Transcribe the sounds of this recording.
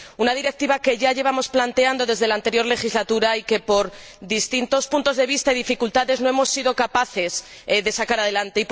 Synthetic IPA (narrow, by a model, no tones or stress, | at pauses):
unaðiɾe̞k̚t̪iβake̞ʝaʝe̞βamo̞splant̪e̞and̪o̞ðe̞zð̞e̞lant̪e̞ɾjo̞ɾle̞xizlat̪uɾaike̞po̞ɾ | d̪ist̪int̪o̞spunt̪o̞zðe̞β̞ist̪aiðifikult̪aðe̞zno̞e̞mo̞sːiðo̞kapaθe̞s | ðe̞sakaɾaðe̞lant̪e̞ip